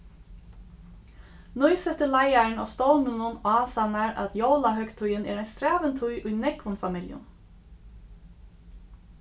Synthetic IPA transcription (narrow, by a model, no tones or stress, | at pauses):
nɔjsɛt̪əlajaɹna̰st̪owmənʊnaːsanaɹa̰t̪jowlaɦœkt̪ʰʊjɪnɛ̰ːɾɛjnst̪ɾaːʋənt̪ʰʊjʔʊjnɛkʋʊnfamɪljʊ̰n